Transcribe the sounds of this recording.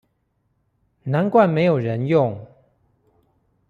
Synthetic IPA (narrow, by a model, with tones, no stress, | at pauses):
na˧˦nkwa˥˩nme˧˥ɪjo˨˩ʊɻə˧˦njʊ˥˨ŋ